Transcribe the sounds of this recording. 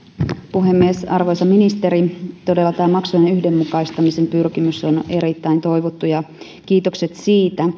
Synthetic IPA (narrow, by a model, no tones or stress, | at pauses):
puɦe̞mːiesɑrʋo̞jsɑminist̪e̞ɾit̪o̞delːɑt̪æːmɑksujnenyhde̞mːukɑist̪ɑmise̞mpyrkimyso̞ne̞ɾit̪ːæint̪o̞jʋot̪ːujɑ | k̟iːt̪okse̞t̪siːt̪æ